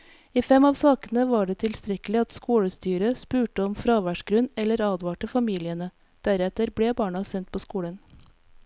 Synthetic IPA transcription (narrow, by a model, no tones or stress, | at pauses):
iːfɛmɑːʋsɑːkənəʋɑːɖeːt̪ʰɪlst̪ɾɛkəlɪɑt̪skuːɽəst̪yːɾəspʉːʈəɔmfɾɑːʋæʂɡɾʉnɛlːəɾɑːd̪ʋɑːʈəfɑmiːlɪənə | d̪̥æɾɛt̪əɾbleːbɑːɳɑsɛnt̪̚pʰoːskuːɽən